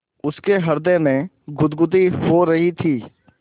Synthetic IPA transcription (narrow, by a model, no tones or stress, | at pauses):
ʊskeɦɐɾd̪emẽ | ɡʱʊd̪ɡʊd̪ihoɾɐɦit̪ʰiː